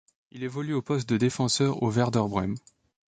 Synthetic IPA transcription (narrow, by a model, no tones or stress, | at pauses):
ilevɔlyopɔst̪̚d̪əd̪efɑ̃sœʁo̰vɛʁd̪œʁbʁɛm